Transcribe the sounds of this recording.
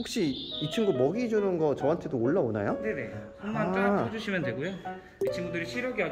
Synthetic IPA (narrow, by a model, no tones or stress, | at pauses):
ɸok̚ɕ͈iːt͡ɕʰɯŋɡomʌɡid͡ʑunɯnɡʌt͡ɕʌɦantʰe̞doːɭːaona̰jone̞ne | at͈aɾakʰod͡ʑuɕʰimjʌndwe̞ɡujo | it͡ɕʰinbundɯɾiɕʰiɾjʌɡiɦa